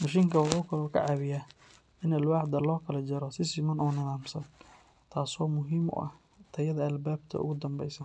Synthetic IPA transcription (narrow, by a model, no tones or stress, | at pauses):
mɐʃ̬iːŋkʰɐwɑħuːkʰɐlɔːkʰɐ̰ʕɑβɪjaː | ɪnɐlwɑħd̪ɐlɔːkʰɐlɐd͡ʒɐɾɔsɪsɪmɐnɔːnɪðaːmsɐn | t̪ʰaːsɔːmʊɦiːmʊ̰ʔɐ̰h | t̪ʰɐjɐðɐɐlbaːbt̪ʰɐ̰ʊ̰ɣʊd̪ɐmbɛ̰jsɐ